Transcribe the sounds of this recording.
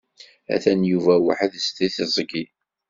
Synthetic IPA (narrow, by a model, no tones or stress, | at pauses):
æ̰θænjuvæwa̰ħəðst̪iθzˤɡi